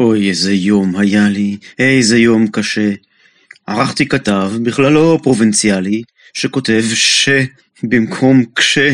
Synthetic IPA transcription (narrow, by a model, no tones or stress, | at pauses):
ʔojezejo̞mhajaliejzejo̞mkaʃe | haʁaχt̪ikatavbiχlalːo̞pʁo̞vint͡sjali | ʃeko̞te̞vʃe | bimkʰo̞mkʃe